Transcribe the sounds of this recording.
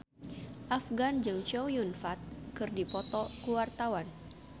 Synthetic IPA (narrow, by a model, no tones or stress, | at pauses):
ʔafɡand͡ʒɨŋt͡ʃɔjunfat̪̚kɨrdipɔt̪ɔkuwart̪awan